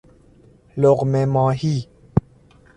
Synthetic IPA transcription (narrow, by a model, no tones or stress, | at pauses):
lok̚mɛmɔːhi